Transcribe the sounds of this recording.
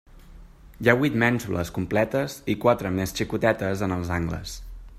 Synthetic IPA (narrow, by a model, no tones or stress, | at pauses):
jaβwit̪mɛnsulə̰skumplɛt̪əzikwat̪ɾəmest͡ʃikut̪ɛt̪əzənəlˠzaŋɡlə̰s